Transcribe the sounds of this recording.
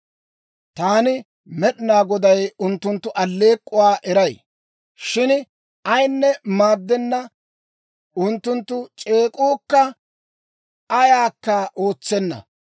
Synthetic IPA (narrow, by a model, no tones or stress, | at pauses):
t̪aːnɪ | mɛɗɪnaːɡɔd̪ɐjʊnt̪ːʊnt̪ːʊʔɐlːe̞ːkʼːʊwaːʔɛɾɐj | ʃɪn | ɐjnːɛmaːd̪ːɛnːɐ | ʊnt̪ːʊnt̪ːʊt͡ʃʼe̞ːkʼuːkːɐ | ʔɐjaːkːɐʔo̞ːt͡sːɛnːɐ̰